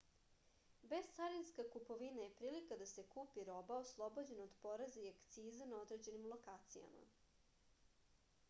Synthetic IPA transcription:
be̞z̥t̪saɾinskakupo̞ʋinaje̞pɾiːlikad̪ase̞kuːpiɾo̞baoslˠo̞bod͡ʑe̞naod̪po̞ɾezeiakt̪siːzanao̞d̪ɾe̞d͡ʑe̞nimlˠo̞kaːt̪sija̰ma̰

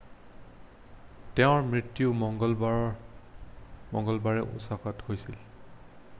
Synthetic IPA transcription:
tɛʊ̃ɹmɹitːjumɔŋɡɔlbaɔ | mɔ̰ŋɡɔlbaɹɛʔṵsakɔthojsil

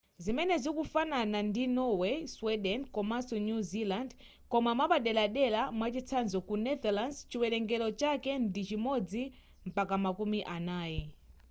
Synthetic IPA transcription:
zimɛnɛzikufananandinɔwɛswɛɗɛnkɔmasɔnjuziland | kɔmamaɓaɗɛlaɗɛlamwat͡ʃit͡sʰanzɔkunɛdalandt͡ʃiwɛlɛŋɡɛlɔt͡ʃakɛndit͡ʃimɔd͡zi | m̩pakamakumiʔanaːjɛ

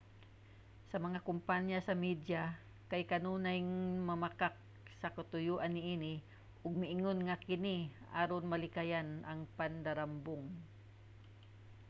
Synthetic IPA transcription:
sɐmɐŋakʊmpanjasɐmid̪ja | kajkanuːnajŋmamakak̚ | sɐkat̪ʊjuːʔanːɪʔiːnɪ | ʔʊɡ̚mɪʔɪŋonŋakɪniʔaɾonmalɪkajanʔaŋpand̪aɾambʊŋ

